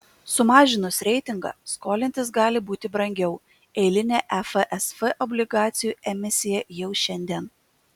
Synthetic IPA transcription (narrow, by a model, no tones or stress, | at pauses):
sʊmɑːʒʲɪnʊsɾʲɛɪt̪ʲɪŋɡɑ̰skoːlʲɪnʲt̪ʲɪsɡɑːlʲɪbuːt̪ʲɪbɾɐŋʲɡʲɛʊ | ɛɪlʲɪnʲeːʔɛfəʔɛsfɛʔɔbʲlʲɪɡɑːt̪sʲɪjuːɛmʲɪsʲɪjɛjɛʊʃʲɛnʲd̪ʲiɛn